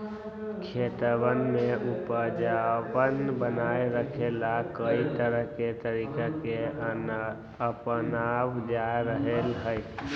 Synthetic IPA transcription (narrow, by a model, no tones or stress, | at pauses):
kʰeːt̪əwənmẽʊpəd͡ʒaʋənbənaːeɾəkʰelakəit̪əɾəɦket̪əɾiːkake | əpnabd͡ʒaeɾəɦelɦəj